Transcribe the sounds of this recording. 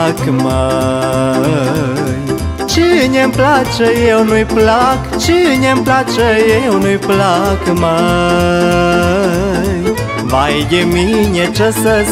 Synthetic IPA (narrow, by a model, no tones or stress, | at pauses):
kma | j | t͡ʃɨɲɛmplat͡ʃəjewnujplak | t͡ʃɨɲɛmplat͡ʃəjewnujplakma | j | bajjemiɲɛt͡ʃəsə